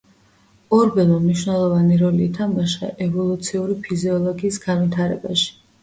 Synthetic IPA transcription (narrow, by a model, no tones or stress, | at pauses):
ɔɾbɛlˠmamniʃwnɛlˠɔvaniɾɔliːt̪ʰamɡaʃɛ̰ʔɛvɔlˠut̪sʰiuɾipʰiziɔlˠɔɡiːsɡanvit̪ʰaɾɛbaʃi̥